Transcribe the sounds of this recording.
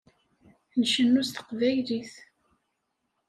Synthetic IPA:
nʃənːust̪ə̥qvæjliθ

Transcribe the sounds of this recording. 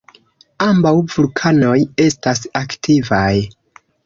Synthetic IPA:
ambawvulkʰano̞je̞stasaktʰivaj

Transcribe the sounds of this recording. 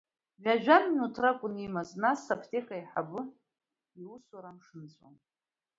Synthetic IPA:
ʕʷaʒᶣamnutʰrakʷʼʊnimaznasapʰtʰʼiχʼaiħa̰bʊ | iwuswaɾamʂɨnt͡sʷʼwa̰n

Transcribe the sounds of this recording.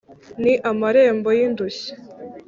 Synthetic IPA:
niʔamaɾembojind̪us

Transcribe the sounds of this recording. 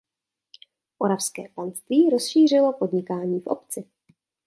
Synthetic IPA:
moɾafskɛ̰ːpanst̪viːɾo̞sʃiːr̝ɪlo̞po̞dɲɪkaːɲiːfʔo̰pt͡sɪ

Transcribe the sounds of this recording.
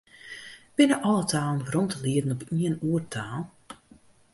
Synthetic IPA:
b̥ɪnəʔɔlˠətʰaːlˠən̩rɔntʰəliədn̩ɔpiənuərtʰaːlˠ

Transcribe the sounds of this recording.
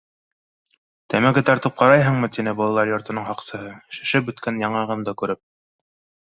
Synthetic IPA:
t̪æmæɡɘt̪ɑɾt̪ɤp̚qʰɑɾɑjɦɤɴmɤt̪inɘbulˠɑlˠɑɾjŏɾt̪ɤ̆nɤɴhɑqsɤ̆ɦɤʃɘ̥̆ʃɘpɵ̆t̪kænjɑɴɑʁɤmd̪ɑkʉɾɘp̚

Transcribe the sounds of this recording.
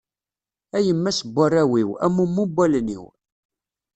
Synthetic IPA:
æjəmːæsəbʷːarˤːæwiwæ̰mːumːubʷælnḭw

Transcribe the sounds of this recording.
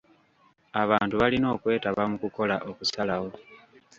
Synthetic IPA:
aβaːntuβalino̞ːkwe̞ːtaβamukuko̞laʔo̞kusalaho̞

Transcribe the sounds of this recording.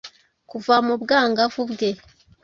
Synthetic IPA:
kuvamubɡaːŋɡavubɡe

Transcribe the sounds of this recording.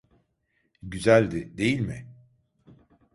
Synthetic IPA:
ɟyzælʲd̪ɪd̪e̞jilʲmɪ

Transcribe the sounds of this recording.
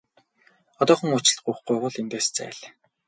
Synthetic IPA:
ɔt̪ɔːχɞ̆ŋʊt͡ɕɪ̆ɮɢuːχɡujʁʊɮint̪eːst͡sæ̰ːɮ

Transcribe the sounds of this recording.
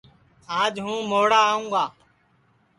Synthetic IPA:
ãːd͡ʒɦũːmoːɽaːũːɡaː

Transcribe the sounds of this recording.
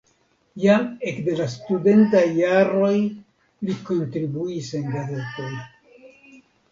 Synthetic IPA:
jamekde̞lastude̞ntajːaɾo̞j | likontɾibuise̞nɡaze̞to̞j

